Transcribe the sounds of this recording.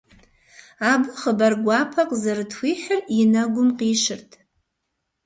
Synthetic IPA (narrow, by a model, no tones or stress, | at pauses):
abɨχəbarɡʷapʰaqʼzarɨtʰwʷiħarinaɡʷʊmqʼiʂɨrtʼ